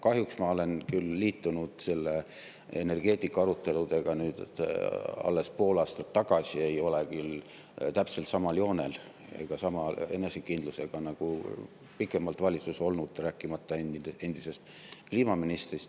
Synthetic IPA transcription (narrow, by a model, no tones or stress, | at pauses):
kɑɦjuksmɑo̞le̞nkylːiːt̪ːunud̪̥se̞lːe | ene̞rɡ̥e̞ːt̪ˑikːɑɑɾut̪ːˑe̞lud̪e̞ɡ̥ɑnyːd̪̥et̪ɑ̰lːe̞spo̞ːlɑːst̪ɑt̪ːɑɡ̥ɑsʲie̞jo̞lekyl | t̪æpse̞lt̪sɑmɑljo̞ːne̞l | ḛɡ̥ɑsɑmɑe̞ne̞sekːind̪luse̞ɡ̥ɑnɑɡ̥u | pikːˑe̞mɑlt̪vɑlʲit̪suso̞lnud̪̥ræːkːˑimɑt̪ˑːɑene̞nd̪̥ise̞st̪kliːmɑminist̪rist̪